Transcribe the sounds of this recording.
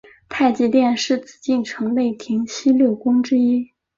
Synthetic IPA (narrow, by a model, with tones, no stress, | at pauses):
t̪ʰa˥˧ɪt͡ɕi˥˧t̪jɛ˥˧nʂɻ̩˥˩t͡sɹ̩˨˩t͡ɕi˥˩nʈ͡ʂʰɤ˧˥ŋle˥˩ɪt̪ʰi˧˥ŋt͡ɕʰi˥ljo˥˩ʊkʊ˥ŋʈ͡ʂɻ̩˥i˥